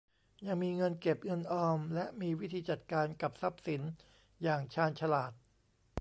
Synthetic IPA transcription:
ja˧ŋmiː˧ŋɤ˧nke˨˩p̚ŋɤ˧nʔɔː˧mlɛ˦˥ʔmiː˧wi˦˥t̪ʰiː˧t͡ɕa˨˩t̪̚kaː˧nka˨˩p̚sa˦˥p̚si˩˦n | jaː˨˩ŋt͡ɕʰaː˧nt͡ɕʰa˧laː˨˩t̪̚

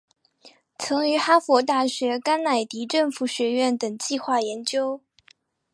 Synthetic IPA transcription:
t͡sʰɤ˧˥ŋy˧˥xa˥fwɔ˧˥t̪̬a˥˩ɕɥɛ˧˥ka˥nna˨˩ɪt̪i˧˥ʈ͡ʂɤ˥˩ŋfu˨˩ɕɥɛ˧˥ɥɛ˥˩nt̪ɤ˨˩ŋt͡ɕi˥˧xwa˥˩jɛ˧˥nt͡ɕjo˥ʊ

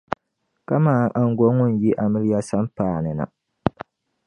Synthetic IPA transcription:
ka˦maː˦ʔa˦ŋ˦ɡɔ˦ŋʊ˦n̩˨ji˦ʔa˨mɨ˦ɾi˦ja˦sa˦m˦paː˦˨nɨ˨na̰˨

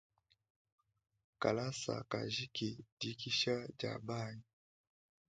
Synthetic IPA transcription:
ka˨la˦sa̰˨ka˨ʒi˦ki˨di˨ki˦ʃa˦d͡ʒa̰˨ba˦˨ɲi˨

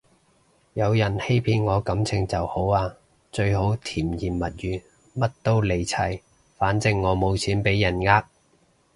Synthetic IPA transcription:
jɐ˨˧wjɐ˨˩nhe˥jpʰiː˧nŋɔː˨˧kɐ˨˧˥mt͡sʰɪ˨˧ŋt͡sɐ˨who˨˥waː˧ | t͡ʃɵ˧ɥho˨˥wt̪ʰiː˨˩mjiː˨˩mmɐ˨t̚jyː˨ | mɐ˥t̚t̪o˥wle˨˩jt͡sʰɐ˨˩j | faː˨˥nt͡sɪ˧ŋːɔː˨˧mo˨˧wt͡sʰiː˨˥npe˨˥jːɐ˨˩nŋaː˧˥k̚

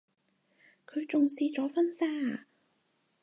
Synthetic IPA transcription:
kʰɵ˨˧ɥt͡sʊ˨ŋsiː˧t͡sɔː˨˥fɐ˥nsaː˥

